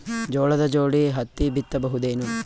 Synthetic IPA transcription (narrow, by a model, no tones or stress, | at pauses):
d͡ʒɔːɭɐd̪ɐd͡ʒoːɽiɦɐt̪ːibit̪ːɐbɐɦud̪eːnu